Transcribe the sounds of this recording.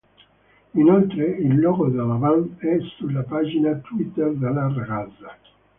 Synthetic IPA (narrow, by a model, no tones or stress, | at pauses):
inolt̪ɾeilːɔːɡod̪alavanɛsulapaːd͡ʒinat̪wit̪ːerd̪elːarɡaza